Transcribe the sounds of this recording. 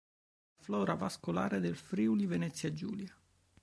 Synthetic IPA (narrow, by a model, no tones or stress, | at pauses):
aflɔːɾavaskola̰ːɾed̪elfɾiulivenɛt̪sːjad͡ʒṵːlja